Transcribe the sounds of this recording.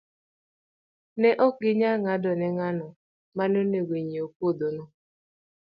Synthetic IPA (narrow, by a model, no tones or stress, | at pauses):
nɛʔɔkɪɲaŋadɔnɛŋanɔ | manoneweɲiokuodonɔ